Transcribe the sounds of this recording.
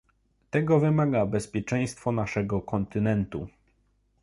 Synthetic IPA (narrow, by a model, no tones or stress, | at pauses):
t̪ɛɡɔvɘmaɡabɛspʲjɛt͡ʂɛj̃st̪fɔnaʂɛɡɔkɔnt̪ɘnɛnt̪u